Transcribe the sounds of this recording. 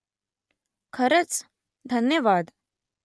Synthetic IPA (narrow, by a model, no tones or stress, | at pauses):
kʰəɾət͡s | d̪ʱənjəʋaːd̪